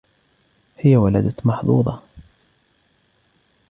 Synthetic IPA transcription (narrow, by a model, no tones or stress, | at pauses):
hɪjawala̰d̪amɑħðˤṵːðˤɑ